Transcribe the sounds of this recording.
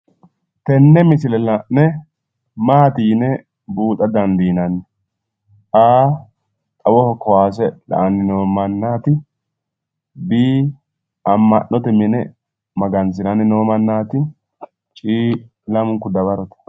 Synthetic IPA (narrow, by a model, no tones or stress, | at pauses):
t̪ɛnːɛmɪsɪlɛlɐnɛ | maːt̪iːnɛ | buːt̪ʼɐd̪ɐnd̪iːnɐnːɛ | aː | t̪ʼɐwɔhɔkʰɔwaːs̬ɛlɐ̰ʔɐnːɪnomɐnːaːt̪ɪ | biː | ɐmːɐ̰ʔːɔt̪ɛmɪnɛ | mɐɡɐnsɪnɐnɪnoːmɐnːaːt̪ɪ | t͡ʃʼiː | lɐmʊŋkʊd̪ɐβɐɾɔt̪ɛ̥